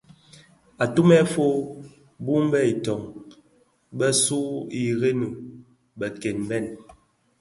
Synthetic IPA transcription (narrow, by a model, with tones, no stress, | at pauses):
a˨tu˦mɛ˦fo˦ | bu˦m˦bɛ˦i˨tɔ˨ŋ | bɛ˦su˦i˨ɣe˦no˨ | bɛ˨ke˨nm˨bɛ˦˨n